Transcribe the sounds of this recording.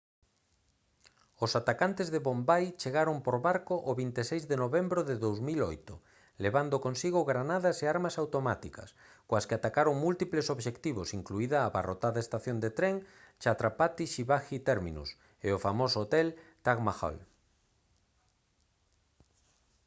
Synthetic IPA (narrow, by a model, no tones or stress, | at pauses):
osat̪akant̪ezðeβombajt͡ʃeɣaɾompoɾβaɾkoʔoβint̪esejzðenoβembɾoðeðowzmilo̰jt̪ʊ | leβand̪okonsiɣoɣɾanaðaseaɾmasawt̪omat̪ikɐ̰s | koaskeat̪akaɾoŋmult̪iplesoβʃekt̪iβosiŋkluiðaːβa̰rot̪aðaest̪aθjond̪et̪ɾeŋt͡ʃat̪ɾapat̪iʃiβaxit̪ɛɾmḭnṵs | eofamosoot̪ɛlt̪aɣmaxo̰l